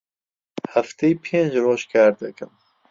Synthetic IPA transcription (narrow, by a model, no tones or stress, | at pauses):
hæft̪eipʰeːnd͡ʒroːʃkʰæːɾd̪ɛkɨm